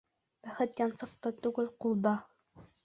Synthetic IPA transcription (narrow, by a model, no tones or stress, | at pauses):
b̥æχɘt̪jɑnsɤ̆q̚t̪ɤt̪uɡɘlqulˠd̪ɑ